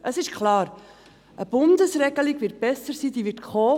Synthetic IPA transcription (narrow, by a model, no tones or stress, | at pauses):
ʔəsɪʃkʰlɑːɾ | ʔəb̥ʊndəsrɛɡəliɡvɪːt̚b̥ɛsəɾsiːd̥iːʋɪtkʰoː